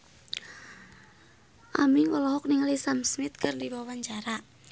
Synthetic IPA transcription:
ʔamiŋɔlɔɦɔk̚niŋalisamsmɪt̪̚kɨrdibawaɲt͡ʃaɾa

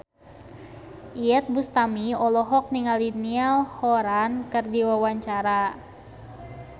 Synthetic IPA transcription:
ʔiɛt̪̚bust̪amiɔlɔɦɔk̚niŋalinialhɔɾankɨrdiwawaɲt͡ʃaɾa

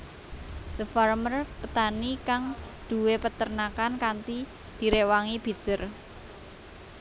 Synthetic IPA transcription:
d̪̥əfarmərpət̪anikaŋd̪̥ṳwepət̪ərnakankant̪i | d̪̥i̤ɾewaŋib̥i̤d̥ʒ̥ər

